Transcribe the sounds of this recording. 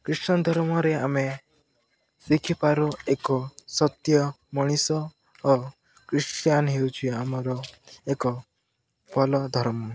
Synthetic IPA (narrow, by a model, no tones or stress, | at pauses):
kɾisnɔd̪ʱɔɾmɔɾeame | sikʰipaɾoekɔsɔt̪jɔ | mɔɽ̃isɔː | kɾisʈjanɦewt͡ʃʰiamɔɾɔekɔ | bʰʱɔlɔd̪ʱɔɾmɔ